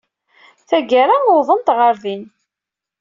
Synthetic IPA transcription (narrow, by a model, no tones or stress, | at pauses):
θæɡaɾaʊðˤənt̪ʁəɾðin